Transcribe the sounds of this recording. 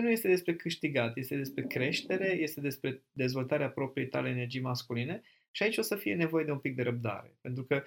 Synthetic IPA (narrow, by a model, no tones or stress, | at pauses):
nuje̞st̪e̞d̪espɾe̞kɨʃt̪iɡat̪je̞st̪e̞d̪espɾe̞kɾe̞ʃt̪e̞ɾe̞je̞st̪e̞d̪e̞spɾe̞d̪e̞zvo̞lt̪aɾeapɾo̞pɾiet̪aleeːnerd͡ʒijmaskuline̞ | ʃiait͡ʃʲo̞səfije̞ne̞vo̞je̞d̪eumpik̚d̪e̞ɾəp̚d̪a̰ɾe̞̰pe̞nt̪ɾukə